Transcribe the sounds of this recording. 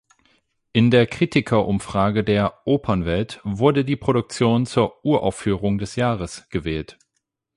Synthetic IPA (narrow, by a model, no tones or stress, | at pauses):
ʔɪndeːɐkʁ̥iːtʰɪkʰɐʔʊmfʁ̥aːɡədeːɐʔoːpʰɐnvɛltv̥ʊɐdədiːpʁ̥oɾʊk̚t͡sjoːnt͡suːɐʔuːɐʔa̰ʊfyːʁʊŋdɛsjaːʁəsɡ̥əvɛːlt